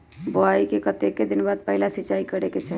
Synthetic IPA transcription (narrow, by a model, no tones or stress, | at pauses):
boaikekət̪ekːed̪inbad̪̚pəɦilasit͡ʃaikəɾeket͡ʃʰɛ